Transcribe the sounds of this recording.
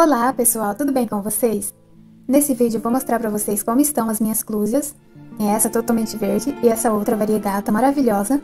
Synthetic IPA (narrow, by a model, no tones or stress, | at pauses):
olapesuawt̪ud̪ʊbẽj̃kõvoses | nesɪvid͡ʒɪʊvowmost̪ɾaɾpɾɐvoseskõmʊɪst̪ɐ̃w̃ɐzmĩɲɐskluzjɐs | ẽɛsɐt̪ot̪awmẽnt͡ʃɪveɾd͡ʒɪɪɛsɐowt̪ɾɐvaɾiɐɡat̪ɐmaɾaviʎɔzɐ